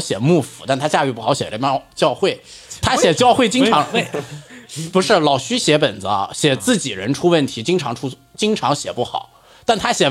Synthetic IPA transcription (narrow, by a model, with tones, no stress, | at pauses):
ɕjɛ˨˩mu˥˩fu˧˩t̪a˥˩nt̪ʰa˥t͡ɕja˥˧y˥˩pu˥˩xɑ˧˥ɕjɛ˨˩˥jɑ˥˧˥t͡ɕjɑ˥˧ʊxwe˥˩ɪ | t̪ʰa˥ɕjɛ˨˩t͡ɕjɑ˥˧ʊxwe˥˩ɪt͡ɕi˥ŋʈ͡ʂʰɑ˧˥ŋ˥˩ | pu˧˥ʂɻ̩˥˩lɑ˨˩ʊɕy˥ɕjɛ˧˥pə˨˩nd͡zɹ̩˦ɐ̰˧ɕjɛ˨˩t͡sɹ̩˥˩t͡ɕi˨˩ɻə˧˥nʈ͡ʂʰu˥wə˥˩nt̪ʰi˧˥t͡ɕi˥ŋʈ͡ʂʰɑ˧˥ŋʈ͡ʂʰu˥ | t͡ɕi˥ŋʈ͡ʂʰɑ˧˥ŋɕjɛ˨˩pu˥˩xɑ̰˨˩˦ʊ | t̪a˥˩nt̪ʰa˥ɕjɛ˨˩